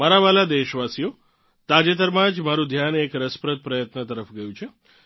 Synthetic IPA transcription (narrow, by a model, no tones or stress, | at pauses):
maɾaʋalad̪eʃʋasijo | t̪ad͡ʒet̪əɾmãd͡ʒmaɾũd̪ʱjanekɾəspɾət̪̚pɾəjət̪nət̪əɾəfɡəjũt͡ʃʰe